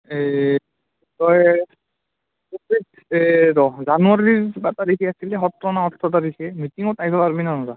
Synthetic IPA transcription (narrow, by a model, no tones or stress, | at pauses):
e | tɔj | opit | eɾɔzanuaɾiɹbatadekʰiasilɛɦɔtɾɔnaɔtʰːɔtaɾikʰɛmitiŋɔtajpʰapaɾbinaɔza